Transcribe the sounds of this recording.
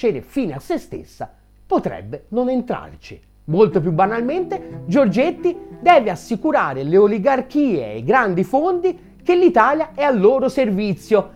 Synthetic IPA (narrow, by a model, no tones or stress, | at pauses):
eːɾḛfiːnasːest̪ḛsːa̰ | pot̪ɾɛ̰bːenonent̪ɾa̰rt͡ʃi | molt̪opjubːanalment̪ed͡ʒord͡ʒet̪ːid̪ɛːveasːikuɾaːɾeleoliɡark̟iːḛḛjɡɾand̪ifond̪i | kelːit̪aːljaɛalːoːɾoservit̪sːjo